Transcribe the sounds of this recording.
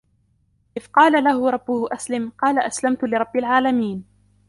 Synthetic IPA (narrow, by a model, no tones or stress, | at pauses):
ʔɪfqɑːlalahʊɾˤɑbːʊhʊʔaslɪmqɑːlaʔaslamt̪ʊlɪɾˤɑbːalʕaːlamiːn